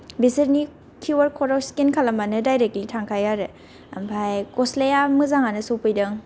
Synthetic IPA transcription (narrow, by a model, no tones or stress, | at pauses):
biseɾni | kʰuwaɾkʰɔɾawskinkʰalamanɯdajɾek̚tlitʰaŋkʰajaɾe | ampʰajkɔslejamɯzaŋanɯsopɯjdɯŋ